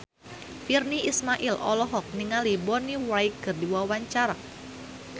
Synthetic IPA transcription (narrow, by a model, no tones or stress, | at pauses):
firniʔismaʔilɔ̰lɔɦɔk̚niŋalibɔniwaikɨrdiwawaɲt͡ʃaɾa